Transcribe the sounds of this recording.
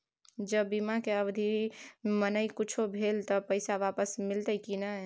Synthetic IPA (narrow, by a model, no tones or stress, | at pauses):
d͡ʒəbbimakeəbd̪ʱimənəikʊt͡ʃʰobʱelt̪ɔpəɪsaʋapəsmɪlt̪əjkinə